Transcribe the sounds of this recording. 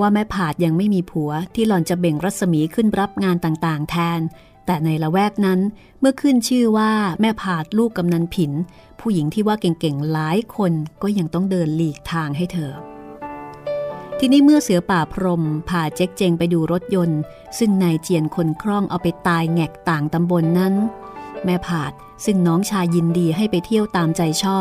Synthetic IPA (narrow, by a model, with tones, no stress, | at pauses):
waː˥˩mɛː˦˥˩pʰaː˨˩t̪̚ja˧ŋma˥˩jmiː˧pʰu˩˦ɐt̪ʰiː˥˩lɔː˧˩nt͡ɕa˨˩be˨˩ŋɾa˦˥t̪̚sa˧miː˩˦kʰɯ˥˩nɾa˦˥p̚ŋaː˧nt̪aː˨˩ŋt̪aː˨˩ŋt̪ʰɛː˧n | t̪ɛː˨˩na˧jɾa˧wɛː˥˩k̚na˦˥n | mɯ˥˩ɐkʰɯ˥˩nt͡ɕʰɯː˥˩waː˥˩mɛː˥˩pʰaː˨˩t̪̚luː˥˩kːa˧mna˧npʰi˩˦n | pʰuː˥˩ji˩˦ŋt̪ʰiː˥˩waː˥˩ke˨˩ŋke˨˩ŋlaː˨˦jkʰo˧nkɔː˥˩ja˧ŋt̪ɔ˥˩ŋdɤː˧nliː˨˩k̚t̪ʰaː˧ŋɦa˥˩jt̪ʰɤː˧ | t̪ʰiː˧niː˦˥mɯ˥˩ɐsɯ˩˦ɐpaː˨˩pʰɾo˧mpʰaː˨˩t͡ɕe˦˥k̚t͡ɕe˧ŋpa˧jduː˧ɾo˦˥t̪̚jo˧n | sɯ˥˩ŋnaː˧jt͡ɕi˧ənkʰo˧nkʰɾɔ˥˩ŋʔa˧wpa˧jt̪aː˧jŋɛ˨˩k̚t̪aː˨˩ŋt̪a˧mbo˧nːa˦˥nmɛː˥˩pʰaː˨˩t̪̚ | sɯ˥˩ŋnɔː˦˥ŋt͡ɕʰaː˧jːi˧ndiː˧ɦa˥˩jpa˧jt̪ʰi˥˩əwt̪aː˧mt͡ɕa˧jt͡ɕʰɔː˥˩p̚